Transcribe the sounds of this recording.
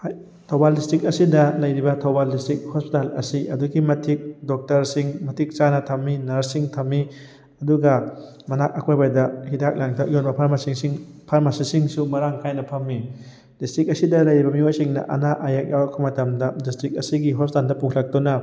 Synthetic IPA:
j | tʰowbaldistɾik̚ɐsidɐlɐjɾibɐtʰɔwbaldistɾik̚hɔspitalɐ̰siʔɐduɡimɐtʰik̚dɔk̚tɐɾsiŋmɐtʰik̚t͡ʃanɐtʰɐmːinɐɾsiŋtʰɐmːi | ɐduɡɐ | mɐnak̚akʰojbajdɐhidak̚laŋtʰajonbɐpʰaɾmasiŋsiŋpʰaɾmasisiŋsumɐɾaŋkʰajnɐpʰɐmːi | d̥istɾik̚ɐsidɐlɐjɾibɐmiojsiŋnɐ̰ʔɐ̰naʔajak̚jawakʰːɔmɐtɐmdɐdistɾik̚ɐsiɡiɦɔspitaldɐpukʰlak̚tunɐ

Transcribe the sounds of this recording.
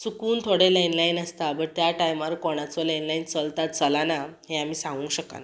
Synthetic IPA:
t͡sukuːnt̪ʰoɽeləjnlainast̪abəɾt̪jaʈajmaɾkɔɽ̃at͡sɔləjnlaint͡səlt̪at̪̚t͡səlanaɦẽam̤iːsãŋɡũːɕəka̰na

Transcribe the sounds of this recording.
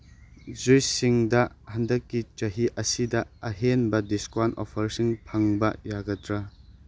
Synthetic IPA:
zujsiŋdɐ | hɐndɐkːit͡ʃɐɦiʔɐsidɐɐɦenbɐdiskwanʔɔ̰pʰɐɾsiŋpʰɐŋbɐjaɡɐtɾɐ

